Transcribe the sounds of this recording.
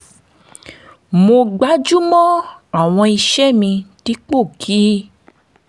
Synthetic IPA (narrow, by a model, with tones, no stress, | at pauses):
mo˧ɡ͡ba˨˦d͡ʒu˦mɔ̃˦a˦˨w̃ɔ̃˧i˧ʃɛ˦mĩ˧ti˦k͡po˦˨kʰi˨˦